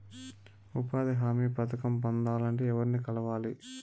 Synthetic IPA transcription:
upaːd̪iɦaːmiːpɐt̪ʰɐkɐmpond̪aːlɐɳʈeːɛʋɐɾnikɐlɐʋaːli

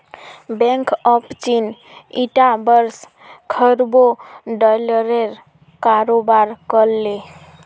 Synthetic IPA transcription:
beŋkəpt͡ʃin | iʈabəɾs | kʰəɾboɖəlɾeɾ | kaɾobaɾkəlːe

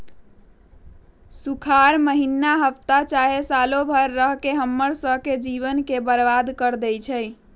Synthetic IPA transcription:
sukʰaɾməɦinːaɦəpt̪at͡ʃaɦesalobʱəɾːəɦkeɦəmːəɾsəɦked͡ʒiβənkebəɾbad̪kəɾd̪ɛjt͡ʃʰɛj

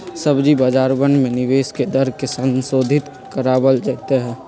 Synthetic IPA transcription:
səbd͡ʒibəd͡ʒaːɾbənɖmẽnɪʋeːsked̪əɾkesə̃nsoːd̪ʱɪt̪ | kəɾaːbəld͡ʒɛt̪eɦɛ̃ː

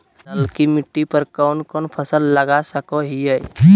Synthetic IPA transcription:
nəlkimɪʈːipəɾkɔːnkɔːnpʰəsəlːəɡasəkoɦiəj

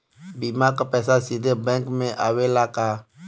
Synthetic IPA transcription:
bimakapɛːsasid̪ʱebɛ̃ŋkmẽʔawelaka

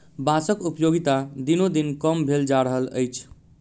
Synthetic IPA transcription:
basəkupəjoɡit̪ad̪inod̪inkəmbʱeld͡ʒaɾəɦələ̰jt͡ʃʰ

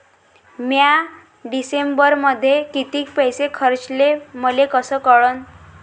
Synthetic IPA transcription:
mja | ɖisembəɾməd̪ʱːjekit̪iːkpəjsekʰəɾt͡sleməlekəsəkəɭən

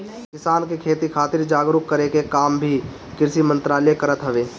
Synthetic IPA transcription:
kɪsaːnkekʰeːt̪ikʰaːt̪ɪɾd͡ʒaːɡɾʊkːəɾekekaːmbʱi | kɪɾsimə̃nt̪ɾaːləekɐɾət̪ɦəʋeː

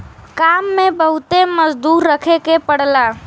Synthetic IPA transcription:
kamːebəɦut̪eməd͡ʒd̪uɾːəkʰekepəɽla

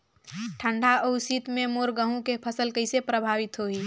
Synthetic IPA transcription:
ʈʰəɳɖʱaəʊsit̪mẽmoːɾɡəɦũkepʰəsəlkəɪsepɾəbʱaːʋɪt̪ɦoiː

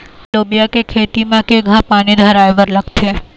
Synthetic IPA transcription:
loːbijakekʰeːt̪imãkeɡʱãpaːnid̪ʱəɾaːjʋəɾlɐɡt̪eː

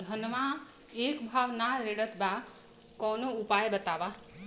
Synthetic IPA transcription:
d̪ʱʌnma | ekbʱaʋnaɾeɽət̪ba | kɔnoupajbət̪aʋa

